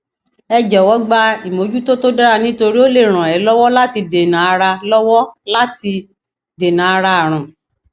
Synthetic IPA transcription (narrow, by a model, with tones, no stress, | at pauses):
ɛ˧d͡ʒɛ˨wɔ˨˦ɡ͡ba˧i˨mo˨˦d͡ʒu˦to˦to˦da˦ɾa˧nĩ˦to˧ɾi˦o˦le˦˨ɾ̃ã˨ɛ˨˦lɔ˦wɔ˦la˦ti˧de˨nã˨a˧ɾa˧lɔ˦wɔ˦la˦ti˧ | de˨nã˨a˧ɾa˧a˨ɾ̃ã˨